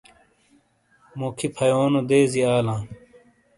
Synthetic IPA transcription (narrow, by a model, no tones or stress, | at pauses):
mokʰipʰɐjoːnud̪eːziaːlãː